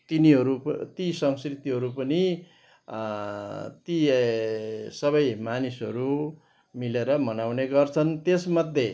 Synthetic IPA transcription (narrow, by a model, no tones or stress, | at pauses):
t̪iniɦʌɾut̪isʌŋskrit̪iɦʌɾupʌni | t̪i | sʌβʌjmanisɦʌ̰ɾu | mileɾʌmʌnawneɡʌrt͡sʰʌnt̪esmʌd̪ʱje